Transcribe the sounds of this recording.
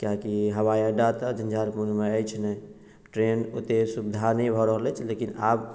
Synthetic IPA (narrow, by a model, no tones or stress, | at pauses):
kjakiɦəwajãɖat̪əd͡ʒənd͡ʒʱaɾpunmeəjt͡ʃʰnɛ | ʈɾeno̰t̪esubd̪ʱanəjbʱɔɾəɦlɛt͡ʃʰlekinab